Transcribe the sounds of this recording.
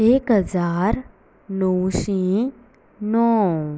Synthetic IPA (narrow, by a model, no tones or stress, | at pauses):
eːkɦəzaːɾ | nɔwʃĩ | nɔː